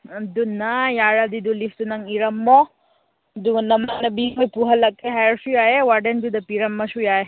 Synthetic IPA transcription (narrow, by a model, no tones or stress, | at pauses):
ɐd̪unajaːɾad̪id̪ulift̪unɐŋiɾɐmːɔ | d̪unɐmːanɐbimɐjpuɦɐlɐkeɦɐjɐɾsujaːjewɐɖend̪ud̪ɐpiɾɐmːɐʃujaːje